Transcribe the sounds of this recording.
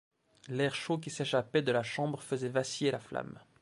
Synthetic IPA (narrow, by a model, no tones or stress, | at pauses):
lɛʁʃok̬ʲiseʃapɛd̪əlaʃɑ̃bʁfəzɛvasijelafla̰m